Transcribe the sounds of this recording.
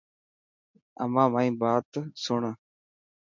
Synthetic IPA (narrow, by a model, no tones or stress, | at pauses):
ə̰mãːmaːĩːbaːt̪sʊɳə